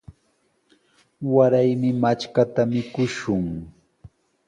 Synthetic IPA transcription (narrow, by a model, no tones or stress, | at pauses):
waɾajmɪmat͡ʃkat̪amɪkʊʃʊŋ